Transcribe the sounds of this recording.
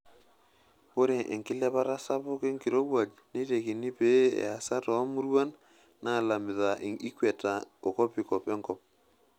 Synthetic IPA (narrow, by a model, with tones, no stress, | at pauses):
bo˦ɾe˨ʔḛ˨ŋkɪ˦lɛ˦βa˦ɾa˦sa˦βʊ˦ke˦ŋki˨ɾo˦wwa˨d͡ʒ | ne˦te˨ki˨ni˦pe˦ɛ̰˨a˨sa˦tɔ˨˦mu˦ɾwa˦n | na˦˨la˨mɪ˨ða˨ʔi˦kwɛ˨ta˨o˨kɔ˦pɪ˨kɔ˨pɛ˦ŋkɔ˦p̚